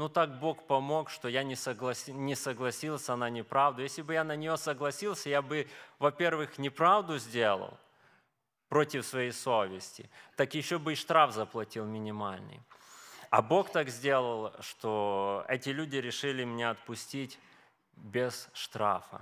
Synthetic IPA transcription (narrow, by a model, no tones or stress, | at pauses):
nut̪ak̚bo̞kpɐmo̞kʂt̪ojanʲɪsəɡlˠɐsʲinʲɪsəɡlˠɐsʲilˠsʲɐnanʲɪpɾavd̪ʊjesʲlʲɪbɨjanənʲɪjo̞səɡlˠɐsʲilˠsʲəjabɨvɐpʲe̞rvɨxnʲɪpɾavd̪ʊzʲdʲelˠə̰lˠ | pɾo̞tʲɪfsvɐjejso̞vʲɪsʲtʲɪ̰t̪akjɪɕːobɨɪʂt̪ɾafzəplˠɐtʲilˠmʲɪnʲɪmalʲnɨ̰j | ɐ̰bo̞kt̪akzʲdʲe̞lˠəlˠʂt̪oɛtʲɪlʲudʲɪɾʲɪʂɨlʲɪmʲɪnʲeɐt̪̚pʊsʲtʲitʲ | bʲɪz̥ʂt̪ɾa̰fə̰